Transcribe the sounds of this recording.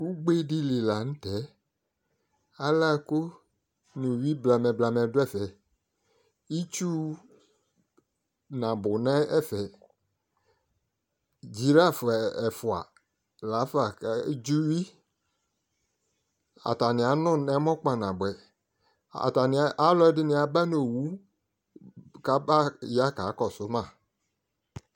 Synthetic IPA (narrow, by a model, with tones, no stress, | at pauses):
u˦ɡ͡be˦di˦li˨la˨ñ̩˦tɛ˨˦ | a˦la˦ko˦ | nũ˨wi˦bla˨mɛ̃˨bla˨mɛ̃˨dʊ˦ɛ˦˨fɛ˨ | i˦t͡ʃu˦ | nã˨bʊ˨nɛ̃˦ɛ˦fɛ˨ | d͡ʒi˨ɾa˦fɛ˨fʊ˨a̰˨ | la˨˦fa˨˦d͡ʒu˦wi˦ | a̰˨ta˨nɪ̃˨a˨nʊ̃˦nɛ˦mɔ̃˦k͡pa˨nã˨bʊ˨ɛ˨ | a̰˨ta˨nɪ̃˨˦ʔa˦lɔ˦ɛ˦dɪ˦nɪ̃˨a˨ba˦no˨wu˦ | ka˦ba˦ja˦ka˨˦kɔ˨sʊ˦mã˦˨